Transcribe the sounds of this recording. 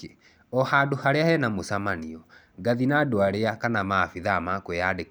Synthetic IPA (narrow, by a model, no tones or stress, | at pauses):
ɔhadohaɾeahɛnamosamaniɔ | ŋɡaðinadoaɾeakanamafiðamakwejade